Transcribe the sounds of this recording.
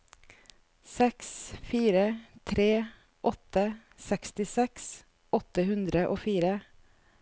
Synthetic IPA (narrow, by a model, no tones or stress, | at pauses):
sɛksfiːɾət̪ʰɾeː | ʔɔt̪ə | sɛkst̪ɪsɛks | ɔt̪əhʉnd̪ɾəʔoːfiːɾə